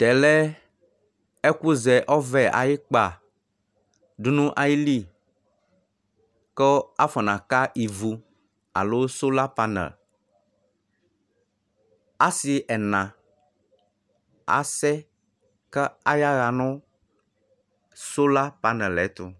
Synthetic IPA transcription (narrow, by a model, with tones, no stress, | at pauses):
t̪ɛ˨lɛ˦ | e˦ku˦zɛ˨ʔɔ˦vɛ˦ʔa̰˨ji˦k͡pa˨ | ɖu˦nũ˦ʔa˨ji˦li˦ | kɔ˦a˦fɔ˨nã˨ka˦ʔi˨vu˨ | a̰˨lo˦so˦la˦pa˦nɛ̰˨ | a˦si˨ʔɛ˨nã˨ | a̰˨sɛ˦ | kɛ˦a˦ja˦ɣa˨nɔ̃˦ | so˦la˦pa˦nɛ̃˨lɛ˨˦t̪u˨